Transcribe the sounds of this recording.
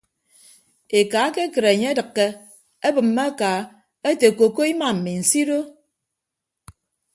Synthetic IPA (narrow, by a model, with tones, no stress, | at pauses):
e˨ka˨˦ke˦kɨ˨ɾe˨ɲe˦e˦dɨ˨kːe˦ | e˦bɨ˨mːe˦ka˨˦ | e˦te˨ko˨ko˦i˦ma˨m̩˨mi˨n̩˨si˦do˦